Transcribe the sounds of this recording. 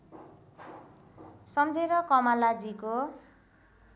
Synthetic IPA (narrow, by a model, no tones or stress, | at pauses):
sʌmd͡zʱeɾʌkʌmalad͡ziko